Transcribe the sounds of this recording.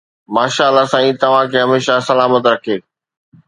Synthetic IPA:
maːʃaːəlasãĩːt̪ɐʋ̤ãkʰeːɦɐmeːʃasɐlaːmət̪ɾɐkʰeː

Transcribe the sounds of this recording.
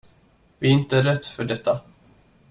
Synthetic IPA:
vɪɪnt̪əɾɛt̪ːfœɖɛt̪ːa

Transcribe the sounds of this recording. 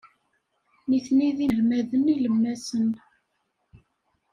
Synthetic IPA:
niθniðiɾmæðəniləmːæsən

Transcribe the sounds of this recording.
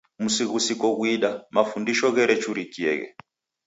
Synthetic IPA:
musiɣusikɔɣwiɗamafundiʃɔɣɛɾɛt͡ʃuɾikiɛ̰ɣɛ̰

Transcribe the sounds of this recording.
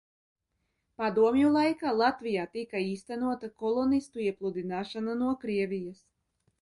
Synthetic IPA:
pad̪uɔmjulˠajkaːlˠat̪vʲijaːt̪ikaiːst̪ænuɔt̪akɔlˠɔnist̪uiɛplˠud̪inaːʃananuɔkɾiɛvʲijas

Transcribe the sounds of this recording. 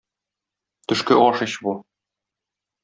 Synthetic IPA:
t̪ɵ̆ʃkɘʔɒʃɤ̆ɕbu

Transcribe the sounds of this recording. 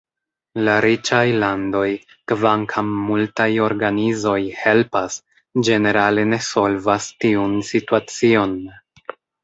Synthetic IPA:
laɾit͡ʃajlando̞j | kvaŋkʰamːultajo̞ɾɡanizo̞jhe̞lpas | d͡ʒe̞ne̞ɾale̞ne̞so̞lvastiunsituat͡sio̞n

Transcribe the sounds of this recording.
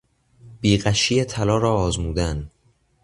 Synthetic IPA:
b̥iːɢæʃijet̪ʰælɒːɾɒːɒːzmuːd̪æn

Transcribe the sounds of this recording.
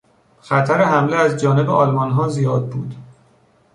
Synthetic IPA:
xæt̪ʰæɾehæmleæzd͡ʒɒːne̞beʔɒlmɒnɦɒːzijɒːd̪̚bṵːd̪̥

